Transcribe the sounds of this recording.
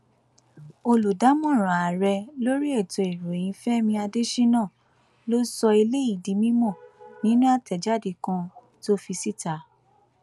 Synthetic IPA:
o˧lu˨da˨˦mɔ̃˦˨ɾ̃ã˨a˨ɾɛ˧lo˦ɾi˦ɛ˦˨tɔ˨e˨ɾo˨j̃ĩ˧fɛ˦mĩ˧a˧de˦ʃi˦nã˦˨ | lo˦sɔ˧i˧le˦i˦˨di˨˦mĩ˦mɔ̃˦˨nĩ˨˦nũ˦a˦˨tɛ˨d͡ʒa˦˨de˨kã˧ | to˦fi˧si˦˨ta˨˦

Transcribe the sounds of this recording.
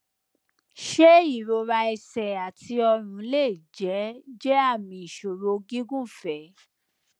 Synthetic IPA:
ʃe˦i˦˨ɾo˧ɾa˧ɛ˧sɛ˨a˨tʰi˧ɔ˧ɾ̃ũ˨˧˦le˦˨d͡ʒɛ˨˦d͡ʒɛ˦a˦˨mĩ˧i˨ʃo˨ɾo˧ɡĩ˦ɡũ˦fɛ˨˦

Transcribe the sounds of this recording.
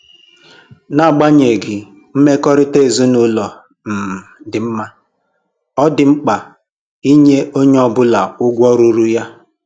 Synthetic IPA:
na˦˨ɡ͡ba˦ɲe˨ɡɪ˨ | m̩˦me˦kɔ˦ɾɪ˦te˦˨zu˦nʊ˦lɔ˨ | m̩˨m̩˨dɪ˨m̩˦ma˦ | ɔ˦dɪ˨ŋ͡m̩˦k͡pa˨ | i˦ɲe˦ʔo˦ɲe˦ɔ˦bʊ˦la˨ʊ˦ɡʷɔ˦ɾu˦ɾu˦ja˦

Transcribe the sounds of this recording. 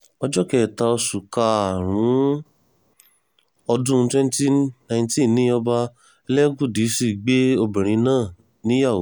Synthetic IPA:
ɔ˧d͡ʒɔ˦kɛ˨ta˧ɔ˧su˨ka˧a˨ɾ̃ũ˨˦ | ɔ˧dũ˦˧twɛ̃˦n˦ti˦˨nã˧˨j̃n˦tĩ˦n˨nːĩ˨˦ɔ˧ba˧ | ɛ˧lɛ˦ɡũ˦˨di˨˦si˦˨ɡ͡be˦o˧bɛ˨ɾ̃ĩ˧˦nãː˦˨ | nĩ˨˦ja˦˨wo˨

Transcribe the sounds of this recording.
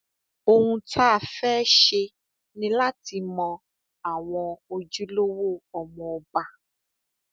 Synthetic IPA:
o˧ŋũ˧tʰa˦˨fɛː˦ʃe˧ | nĩ˦la˦ti˧mɔ̃˧ | a˨w̃ɔ̃˧o˧d͡ʒu˦lo˦wo˦˨ɔ˨mɔ̃˨˧ba˧

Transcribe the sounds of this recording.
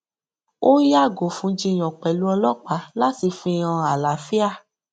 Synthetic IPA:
o˦ja˦˨ɡo˨fũ˨˦d͡ʒĩ˧˨j̃ɔ̃˨k͡pɛ˨lu˨˦ɔ˧lɔ˦˨k͡pa˨˦la˦ti˧fĩ˧ã˧a˨la˨fi˦a˦˨

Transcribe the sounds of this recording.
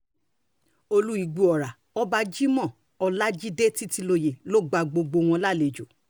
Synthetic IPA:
o˧lu˦i˨˧ɡ͡bu˧ɔ˨ɾa˨ | ɔ˦ba˧d͡ʒi˦mɔ̃˦˨ | ɔ˧la˦d͡ʒi˦de˦ti˦ti˧lo˧je˨lo˦ɡ͡ba˧ɡ͡bo˧ɡ͡bo˧w̃ɔ̃˧la˦˨le˨d͡ʒo˨

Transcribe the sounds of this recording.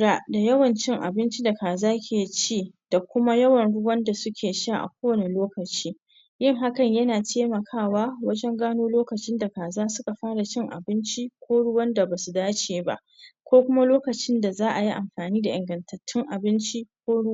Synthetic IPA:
ɽa˨da˨jɐ˦wɐ˨nt͡ʃɪ˦ŋʔa̰˨bɪ˦nt͡ʃi˦da˨kaː˨zaː˦kʲʰeː˨t͡ʃiː˦d̥a˨kʷʊ˦ma˦jɐ˦wɐ˨nɽʊ˦wɐ˦nda˨sʊ˦kʲʰeː˨ʃaː˦˨ʔa̰˨kʷoː˦wɐ˨ne˨loː˦kɐ˨t͡ʃiː˦ | jɪ˦˨ŋɦa˦kɐ˨ɲjɐ˦naː˨teː˦mɐ˨kʰaː˦˨waː˦wɐ˦d͡ʒɛ˦ŋɡaː˦noː˦loː˦kɐ˨t͡ʃɪ˦nda˨kaː˨zaː˦sʊ˦ka˨ɸaː˦ɽa˨t͡ʃɪ˦ŋʔa̰˨bɪ˦nt͡ʃi˦kʷʰoː˦ɽʊ˦wɐ˦nda˨baː˨su˨daː˦t͡ʃeː˨ba̰˦ʔ | kʷoː˦kʷʊ˦ma˦loː˦kɐ˨t͡ʃɪ˦nda˨zaː˦ʔa˨ji˦ʔa˨mɸaː˨niː˦da˨ʔɪ˨ŋɡɐ˨ntʰɐ˨tʰːɪ˦ŋʔa˨bɪ˦nt͡ʃi˦kʷoː˦ɽʊ˦

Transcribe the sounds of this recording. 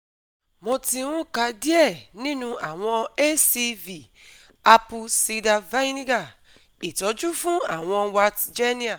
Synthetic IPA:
mɔ̃˧ti˧wũ˦ka˧di˦ɛ˦˨nĩ˦nũ˦a˨w̃ɔ̃˧e˦si˧vi˨ | a˧pu˧si˧da˧va˦nĩ˦ɡa˦˨ | i˨tɔ˨˦d͡ʒu˦fũ˦a˨w̃ɔ̃˧wa˧td͡ʒe˦nĩ˦a˨

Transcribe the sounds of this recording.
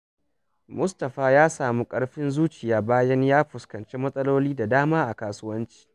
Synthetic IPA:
mʊ˦stɐ˨ɸaː˨jaː˦saː˨mu˦kʼɐ˦ɽɸɪ˦nzuː˦t͡ʃɪ˨jaː˨baː˦jɐ˦ɲjaː˦ɸʊ˨skɐ˨nt͡ʃe˦mɐ˦sʼɐ˦loː˦liː˦da˨daː˦maː˦ʔa˨kaː˨sʊ˦wɐ˦nt͡ʃi̥ː˨

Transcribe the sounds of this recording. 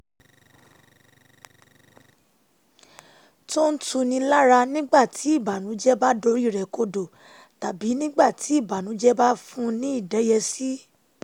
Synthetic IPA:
to˦n̩˦tʰũ˧nĩ˧la˦ɾa˧nĩ˦ɡ͡ba˦˨tʰi˨˦i˦˨ba˨nũ˨˦d͡ʒɛ˦ba˦do˨˦ɾi˦˨ɾɛ˨ko˧do˨ | ta˨bi˨˦nĩ˦ɡ͡ba˦˨tʰi˨˦i˦˨ba˨nũ˨˦d͡ʒɛ˦ba˦fũ˦nĩ˦i˦˨dɛ˨˦jɛ˧si˦

